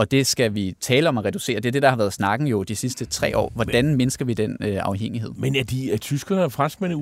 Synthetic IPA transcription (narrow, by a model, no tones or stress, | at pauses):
ɒ̽d̥e̝sɡ̥æʋit͡sʰɛːləɒ̽mæʁɛd̥use̝̰ːɐd̥e̝æɐd̥e̝d̥ɑ̈hɑ̈ʋæːɐðˠsnɑ̈ɡ̥ŋ̩jo̝d̥isisd̥ət͡sʰʁɛ̰ːɒ̰ːʋɒd̥ænme̝nəsɡ̥ɐʋid̥en̰øɑ̈ʊɦeŋ̰iɦe̝ð̰ˠmenæd̥it͡sʰysɡ̥ɐnəfʁansɡ̥̚men